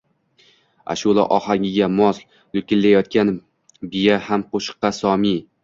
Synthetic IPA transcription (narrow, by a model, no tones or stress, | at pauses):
a̰ʃulˠa̰ʔɒhaŋʲɪɡʲamɒsl | lʊkʲɪlːajɒt̪̚kʲan | bɪjahamqoʃɨ̥qːɑsɒmi